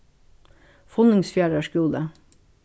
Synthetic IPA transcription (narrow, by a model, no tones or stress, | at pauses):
fɔnɪŋsfjæːɹəʃɡuːd̪ə